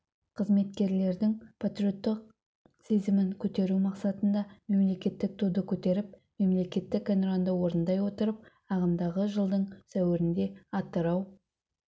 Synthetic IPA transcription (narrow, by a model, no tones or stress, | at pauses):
qʰəzme̞t̪kʲe̞ɾle̞ɾd̪ɪŋpʰat̪ɾʲijo̞t̪ːɪq | se̞zɪmɪŋkʲʰɵt̪e̞ɾumɑqsɑt̪ənd̪ɑme̞mle̞kʲe̞t̪ːɪk̚t̪ʰud̪əkʲʰɵt̪e̞ɾɪp̚ | me̞mle̞kʲe̞t̪ːɪkːenɾond̪əwo̞ɾənd̪ɑjwo̞t̪əɾəp̚ | ɑʁəmd̪ɑʁəʒəlˠd̪əɴsæwɪɾɪnd̪e̞ɑt̪ːəɾɑw